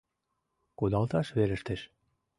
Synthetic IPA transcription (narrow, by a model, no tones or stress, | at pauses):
kud̪ɑlˠt̪ɑʃβeɾɘ̆ʃt̪ĕʃ